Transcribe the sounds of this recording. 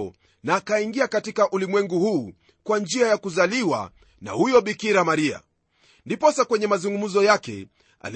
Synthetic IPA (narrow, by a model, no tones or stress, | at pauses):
ɔ | naːkaiŋɡiakatikaʔulimwɛŋɡuhuː | kwand͡ʒiajakuzaliwa̰ | na̰hujɔɓikiɾamaɾia̰ | ndipɔsakwɛɲɛmazuŋɡum̩zɔjakɛ̰ | a̰l